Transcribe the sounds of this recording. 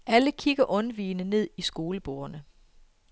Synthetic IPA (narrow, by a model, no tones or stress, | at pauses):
ʔæləkʰiɡ̥ɐʔɔ̽nʋiːnəne̝ð̞̰ˠisɡ̥o̝ːləb̥o̰ːɐnə